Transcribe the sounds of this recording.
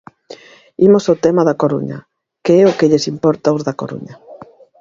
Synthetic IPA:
imosaot̪ɛmaðɐkoɾṵɲɐ̰ | keɛʊkɪʎesimpɔɾt̪aozðako̰ɾṵɲɐ

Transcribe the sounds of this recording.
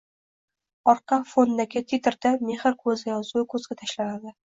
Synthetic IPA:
ɒɾqʰɑfonːaɡʲɪt̪ʰet̪ɪɾd̪ame̞hɨɾkʰɵzɪjɒzʊkʰɵzɡʲat̪ʰaʃlanad̪ɪ

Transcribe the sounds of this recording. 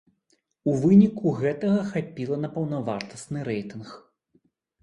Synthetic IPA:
uvɨnʲikuɣɛt̪ɐɣɐxapʲilˠɐnɐpɐwnɐvart̪ɐsnɨɾɛjt̪ɨnx

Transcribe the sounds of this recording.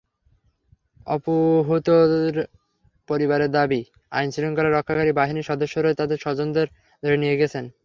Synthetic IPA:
ɔ̰poɦot̪oɾ | poɾibaɾeɾd̪abi | a̰jnsiloŋkɔɾaɾɔkʰːakaɾibaɦiniʃɔd̪oʃːoɾoet̪ad̪eɾʃɔd͡ʑond̪eɾ | d̪ʱoɾenieɡɛt͡ɕʰen

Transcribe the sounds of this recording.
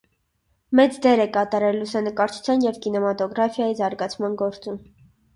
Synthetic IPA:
mɛt͡sd̪ɛɾɛkɑt̪ɑɾɛlːusɛnəkɑɾt͡ʃʰu̥t͡sʰjɑnjɛvkinɛmɑt̪ɔɡɾɑfjɑjizɑɾɡɑt͡sʰmɑnɡɔɾt͡sum

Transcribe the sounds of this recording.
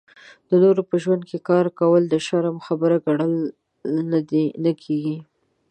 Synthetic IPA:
d̪̥ənoɾopəʒwand̪̚kekɑɾkawəld̪əʃaɾamxabəɾaɡaɽəl | nad̪enəkʰeɡi

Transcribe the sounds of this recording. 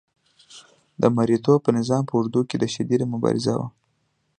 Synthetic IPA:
d̪əmaɾit̪opənɪzɑmpəʊɾd̪uked̪əʃad̪id̪mʊbɑ̰ɾɪ̰zawa̰

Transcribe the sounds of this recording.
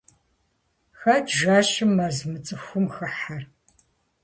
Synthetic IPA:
xɐdʒaːʃɪmːɐzmɨt͡sʼɨxʷʊmxɐħar

